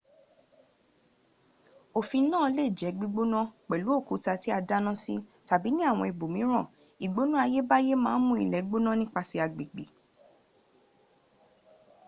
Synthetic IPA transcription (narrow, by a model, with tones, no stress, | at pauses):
o˨fi˧nãː˦˨le˦˨d͡ʒɛ˨˦ɡ͡bi˦ɡ͡bo˦nã˦k͡pɛ˨lu˨˦o˦˨ku˨˦ta˧ti˦a˧da˦nã˦si˦ta˨bi˨˦nĩ˦a˦˨w̃ɔ̃˧i˨bo˨mĩ˨˦ɾ̃ã˦˨ | i˨ɡ͡bo˨˦nũ˦a˧je˦ba˦je˦mãː˦mũ˦i˨lɛ˨˦ɡ͡bo˦nã˦nĩ˦k͡pa˧si˦a˧ɡ͡bi˨ɡ͡bi˨